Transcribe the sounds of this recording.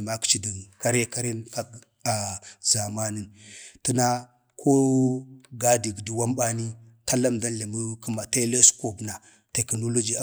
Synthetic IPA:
ma˦kt͡ʃi˨du˨ka˦ɾe˦ka˦ɾe˦nka˦k | a˨za˨ma˦ni˦nti˦na˦ | kʰo˦ | ɡa˦di˨ɡdi˨wa˦mɓa˦ni˦ | ta˦la˦mda˦nɬe˨mu˦kə˦ma˨te˦le˦sko˨bna˨ | te˨kno˦lo˦d͡ʒi˦a˦

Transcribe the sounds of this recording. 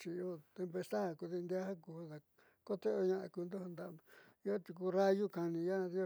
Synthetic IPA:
t͡ʃi˧o˦t̪e˧mpe˧st̪a˦˨ku˧ði˧nd̪ja˦ha˦ku˧ða˧ | ko˦t̪e˦o˧ɲã˧ʔa˧ku˧nd̪o˦ha˧nd̪a˧ʔnd̪o˧i˦o˦t̪i˧k̬u˧˦ra˦ju˦ka˧nĩ˧ja˦ã˧ði˧o˧

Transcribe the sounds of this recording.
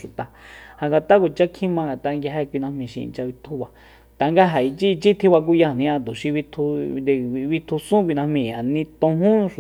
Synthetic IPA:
ʃu˨t̪a˨ha˨ŋɡa˨t̪a˦ko˨t͡ʃa˦kʰĩ˦mã˧ŋɡa˨t̪a˧ŋɡa˧ɦe˧kʷi˧nã˧hmĩ˧ʃḭ̃˧ḭ˧nt͡ʃa˧βi˧t̪ʰu˧˦βa˧ | t̪a˨ŋɡa˦ɦa˨i˧t͡ʃi˦˧t͡ʃi˦t̪ʰi˦βa˧k̬u˦ja˧˨nĩ˧ã˧t̪u˨ʃi˧βi˧t̪ʰu˧d̪e˧˨˧βi˧t̪ʰu˧sũ˦kʷi˧nã˧mĩ˧˨a˨nĩ˧t̪õ˧ɦũ˦˧ʃ

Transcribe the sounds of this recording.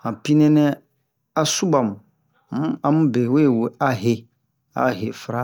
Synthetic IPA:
hã˨pi˦nɛ̃˦nɛ˦ | a˦su˦ba˨m˨˦ | ã˦mũ˦be˨we˦˨wo˨a˦ɦe˨ | a̰˦ɦe˨fɾa˦

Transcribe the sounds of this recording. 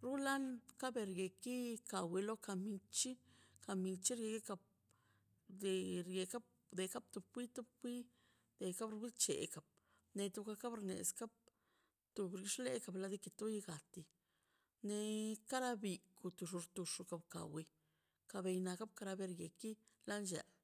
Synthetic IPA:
ɾu˦la˦nka˦be˧ɾje˨ki˦ka˨wi˧lo˦ka˧mi˧t͡ʃi˦ka˧mi˧t͡ʃi˦ɾje˧ki˦ka˧b̚ | d̪e˨ɾje˧ka˦b̚ | d̪e˧ka˦b̚t̪u˧b̚kʷi˦t̪u˦b̚kʷi˦ | d̪̥e˨ka˦bɾu˧bi˦t͡ʃḛ˨ka˨b̚ | ne˧t̪u˧ka˧ka˦bɾnḛ˨ska˦b̚ | t̪u˧bɾi˧˦ʂle˦ka˨bla˧d̪i˧ki˧t̪u˦ji˧ɡa˨t̪i˧ | ne˧ka˦ɾa˦bi˧ku˨˧t̪u˧˨ʂu˧ɾt̪u˧ʂu˧ka˨bka̰˨wi˧ | ka˧be˧jna˧ka˦b̚ka˧ɾa˧be˧ɾɡe˨ki˦ | la˦nd͡ʒa̰˨l

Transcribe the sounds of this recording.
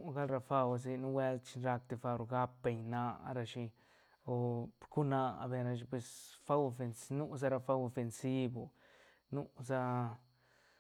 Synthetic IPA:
u˦ɡa˦lɾa˧fa˧ws̬i˧nu˦we˦lt͡ʃi˧nɾa˧k̚t̪e˧fa˧ɾo˧ɡa˦pːe˧ɲna̰˧ɾa˧ʃi˧ | o˧ku˦na̰˧˨be˧ɾa˧ʃ̬i˧pwe˧sfa˦wo˧˨fe˧nsnu˦sa˧ɾa˧fa˦wo˧˨fe˧nsi˦bu˨ | nu˦za˦

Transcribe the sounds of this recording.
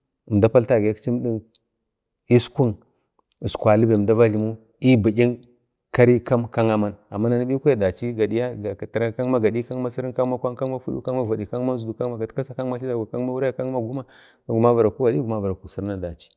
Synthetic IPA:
m˨da˦pa˦lta˦˨ɡa˦kt͡ʃi˦mɗi˦n | i˦skʷu˦n˨ | skʷa˨li˦ba˨da˦va˦ɮi˨mu˦ | i˦bi˨ɡʲi˦n | ka˦ɾi˦ka˦mka˦ŋa˦ma˦na˨mːa˦na˨ni˦bi˦ku˦a˨da˨t͡ʃi˦ɡa˨di˦ja˦a˨a˨tɾa˦ka˦ŋma˦ɡa˨ɗi˦ka˦ŋma˦si˦ɾi˦nka˦ŋma˦kʷa˦ka˦ŋ˦ma˦fu˦ɗṵ˦ka˦ŋma˦va˨ɗi˨ka˦ŋ˦a˦nzu˨du˨ka˦ŋma˨ɡa˨tka˦sa˨ka˦ŋma˦ɬi˦da˨ɡʷa˨ka˦ŋ˦ma˦wu˦ɾa˦ja˦˨ka˦ŋma˦ɡu˦ma˦ | a˨ɡu˨ma˦va˨ɾa˨ku˦wa˨ɗi˦ɡu˨ma˦va˨ɾa˨ku˨si˨ɾna˨da˨t͡ʃi̥˦

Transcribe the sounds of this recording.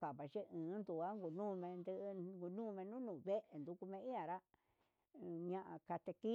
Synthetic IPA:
ka˨βa˨ʒe˦ɨ̃ː˨˦nd̪u˨a˦ŋɡu˨nũː˦˧mẽ˧nd̪ɨ˧ʔɡu˧nũː˦˧mẽ˧nũ˦nũː˨βe˦ʔe˨nd̪u˧ku˧mẽ˧i˦ã˨ɾa˦ | ɲã˧ʔa̰˧ka˧t̪e˧ki˦

